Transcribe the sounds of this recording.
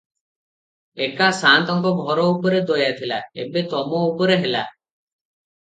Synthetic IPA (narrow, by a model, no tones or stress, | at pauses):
ekasaːnt̪ɔŋkɔɡʱɔɾɔupɔɾed̪ojat̪ʰilaḛbet̪ɔmɔupɔɾeɦela̰